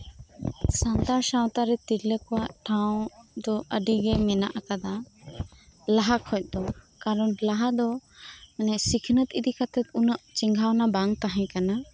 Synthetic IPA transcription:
sand̪aɾsãw̃t̪aɾɛt̪iɾləkɔwaʔʈʰaw̃d̪ɔəɖiɡɛmɛnaʔakad̪a | laɦakʰɔc̚ˀd̪ɔ | kaɾɔnlaɦad̪ɔɛnɛsikʰnət̪id̪ikat̪ɛt̪unəʔt͡ʃiŋɡʱawnabaŋt̪aɦɛ̃kana

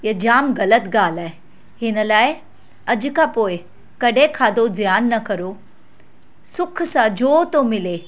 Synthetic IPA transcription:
jed͡ʑaːmɡələt̪ɡaːlaːe | ɦɪnəlaːe | ɐd͡ʒkapoːj | kɐɽekʰaːd̪od͡zjaːnːɐkəɾo | sʊkʰsad͡ʑoːt̪omɪle

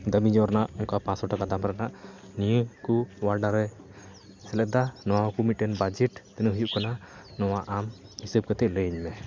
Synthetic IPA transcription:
d̪əmid͡ʒɔɾanaʔɔŋkapãsɔʈakad̪amɾanaʔ | nijəkuwaɾɖaɾɛ | sɛlɛʔd̪anɔwakumiʈɛnbad͡ʒɛʈt̪ɛnəɦujuʔkananɔwaʔamhisəb̚kat̪ɛʔləɲmɛ

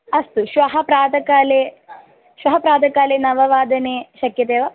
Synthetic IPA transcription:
ɐst̪uʃʋɐɦɐpɾaːd̪ɐkaːleː | ʃʋɐɦɐpɾaːd̪ʱɐkaːleːnɐʋɐʋaːd̪ɐneːʃɐkjɐt̪eːʋa

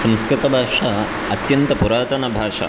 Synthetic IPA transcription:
sɐ̃mskɾɪt̪ɐbʱaːʂɐ | ɐt̪jɐnt̪ɐpuɾaːt̪ɐnɐbʱaːʂɐ̰

